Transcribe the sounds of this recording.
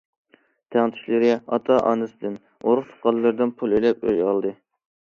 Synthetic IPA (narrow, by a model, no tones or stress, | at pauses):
t̪ʰæŋt̪ʰy̥ʃʲlɪɾɪɑ̰t̪ʰɑʔɑ̰ːnɨsɨd̪ɨn | oɾʊχt̪ʰo̥qɑllːɨɾd̪ɨnpʰulˠelɛpø̰jɑlˠd̪ɨ